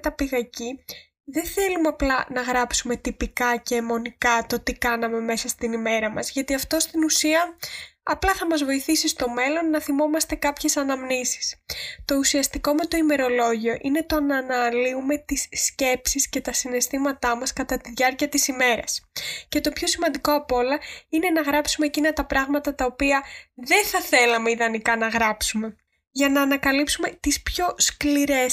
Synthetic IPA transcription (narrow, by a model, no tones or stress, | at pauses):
t̪ɐpiɣɐci | ðe̞θe̞lumeɐplɐnɐɣɾɐpsume̞t̪ipikɐce̞ːmo̞nikɐt̪o̞t̪ikɐnɐme̞me̞sɐst̪inime̞ɾɐmɐzʝɐt̪iɐft̪o̞st̪inusiɐɐplɐθɐmɐzvo̞iθisist̪o̞me̞lo̞nːɐθimo̞mɐst̪e̞kɐpçe̞sɐnɐmnisi̥st̪o̞usiɐst̪iko̞me̞t̪o̞ime̞ɾo̞lo̞ʝio̞ʔine̞t̪o̞nɐːnɐliume̞t̪isːce̞psisce̞t̪ɐsine̞st̪imɐt̪ɐmɐskɐt̪ɐt̪iðʝɐɾciɐt̪isime̞ɾɐsce̞t̪o̞pço̞simɐnd̪iko̞ɐpo̞lɐine̞nɐɣɾɐpsume̞ːcinɐt̪ɐpɾɐɣmɐt̪ɐt̪ɐopiɐðe̞nθɐθe̞lɐme̞iðɐnikɐnɐɣɾɐpsume̞ | ʝɐnɐːnɐkɐlipsume̞t̪ispço̞skliɾe̞s